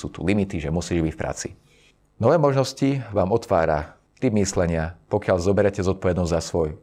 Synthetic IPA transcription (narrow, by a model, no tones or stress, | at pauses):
sṵːt̪ṵlimit̪iʒɛmusiːʒbicfpɾa̰ːt͡sḭ | nɔʋɛːmɔʒnɔsciʋaːmɔt̪ʋaːɾa̰ | t̪ib̚mislɛɲɪapɔkɪaʎzɔbɛɾɛcɛzɔt̪̚pɔʋɛd̪nɔzʲzasʋɔj